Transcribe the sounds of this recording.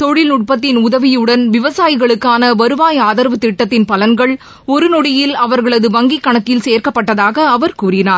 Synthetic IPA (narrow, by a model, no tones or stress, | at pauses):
t̪ɔɻɪlnʊʈ̚pɐt̪ːɪnʊðɐʋɪjɯɽɐnʋɪʋɐsaːjɪɣɐɭɯkːaːnɐʋɐɾɯʋaːjaːðɐɾʋɐt̪ːɪʈːɐt̪ːɪnpɐlɐnɡɐɭ | ɔɾɯnɔɽɪjɪlɐʋɐɾɣɐɭɐðɯʋɐŋɡikːɐɳɐkːɪlseːɾkɐpːɐʈːɐðaːɣɐːʋɐɾkuːɾɪnaːɾ